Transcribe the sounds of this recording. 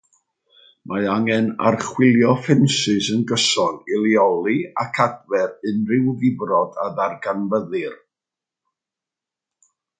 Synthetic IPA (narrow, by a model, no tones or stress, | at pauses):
mʔaɨaŋɛna̰rχwɪlˠjɔfɪnsɨsənɡəsɔnɪlˠiɔlˠia̰kʰadvɛɾɨnrɪwvɪbrɔdaðarɡanvəðɨr